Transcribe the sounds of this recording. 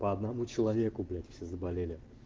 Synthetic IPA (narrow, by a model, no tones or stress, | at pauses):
pəɐd̪nɐmut͡ɕɪlˠɐvʲekʊblʲætʲfsʲezəbalʲelʲɪ